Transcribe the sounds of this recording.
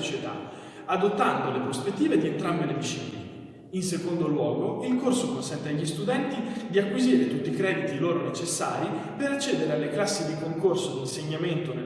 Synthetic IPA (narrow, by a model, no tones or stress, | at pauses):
ot͡ʃet̪a̰ | ad̪ot̪ːand̪olepɾospet̪ːiːved̪ient̪ɾambelevit͡ʃḭːnḛ | insekond̪olwɔːɡoilkorsokonsɛnt̪eaʎːist̪ud̪ɛnt̪id̪iakːwiziːɾet̪ut̪ːikɾɛːd̪it̪iloːɾonet͡ʃesːa̰ːɾipeɾat͡ʃːɛːd̪eɾealːeklasːid̪ikoŋkorsod̪inseɲːament̪one